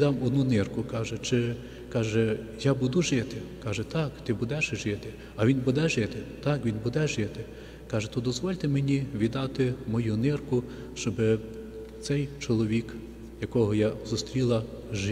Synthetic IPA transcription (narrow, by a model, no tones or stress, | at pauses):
d̪ɑmɔd̪nunɪrkʊkɑʒɛt͡ʃɪ | kɑʒɛ | jabud̪uʒɪt̪ɪkɑʒɛt̪ɑkt̪ɪbud̪ɛʃʒɪt̪ɪ | ɐʋʲinbud̪ɛʒɪt̪ɪt̪ɑkʋʲinbud̪ɛʒɪt̪ɪ | kɑʒɛt̪ɔd̪ɔzʋɔlʲt̪emenʲiʋʲid̪ɑt̪ɪmɔjunɪrkʊ | ʃt͡ʃɔbɪ | t̪sɛjt͡ʃɔlˠɔʋʲik | jɐkɔɦɔjazʊst̪ɾʲilˠɐ | ʒ